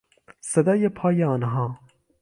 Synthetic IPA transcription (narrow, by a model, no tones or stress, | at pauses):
sɐd̪ɑːjepʰɑːjeɑːnɦɑː